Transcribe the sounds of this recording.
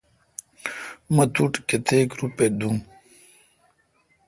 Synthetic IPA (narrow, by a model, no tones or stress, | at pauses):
mɐt̪ʰuʈket̪ʰeːkɾuped̪um